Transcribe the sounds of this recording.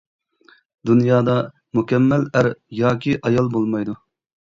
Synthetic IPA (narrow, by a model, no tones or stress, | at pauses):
d̪unjɑːd̪ɑ | mukʲɛmːælæɾjɑːkʲiʔɑjɑlˠbolˠmɑjd̪u